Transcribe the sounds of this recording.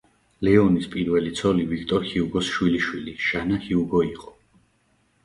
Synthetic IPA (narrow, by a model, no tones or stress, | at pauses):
lɛɔnispʼiɾvɛlit̪sʰɔlivik̚ʰt̪ʼɔɾhiuɡɔsʃwiliʃwiliʃanahiuɡɔiqʼɔ̥